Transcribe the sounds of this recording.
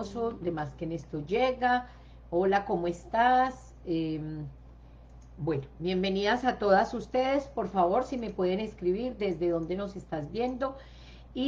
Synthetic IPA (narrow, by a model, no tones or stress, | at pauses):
so̞d̪e̞maskene̞st̪o̞d͡ʒeɣa | olako̞moe̞st̪as | em | bwenobje̞mbe̞niðasat̪o̞ðasust̪e̞ðe̞spo̞ɾfaβo̞ɾsime̞pwe̞ðene̞skɾiβiɾd̪e̞zd̪e̞ðo̞nd̪e̞no̞se̞st̪azbje̞nd̪o̞ | i